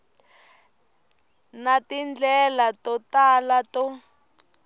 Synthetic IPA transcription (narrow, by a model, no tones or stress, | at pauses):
natind͡ɮɛlatɔtalatɔ